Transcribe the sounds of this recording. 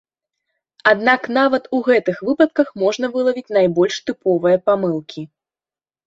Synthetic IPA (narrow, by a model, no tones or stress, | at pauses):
ad̪naknavɐt̪uɣɛt̪ɨxvɨpɐt̪̚kɐxmɔʐn̪ɐvɨlˠɐvʲit͡sʲn̪ajbɔlʲʂt̪ɨpɔvɨjɐpamɨlˠkʲʰi